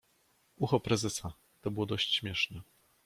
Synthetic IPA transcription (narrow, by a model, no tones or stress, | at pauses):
uxɔpɾɛzɛsa | t̪ɔbɘwɔd̪ɔɕt͡ɕɕmʲjɛʂnɛ